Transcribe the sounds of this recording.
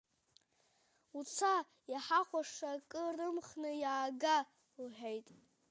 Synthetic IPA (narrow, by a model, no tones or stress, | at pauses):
ut͡sʰa | jaħaχʷaʂakʼɨrɨmχnɨjaːɡa | lħᶣajtʼ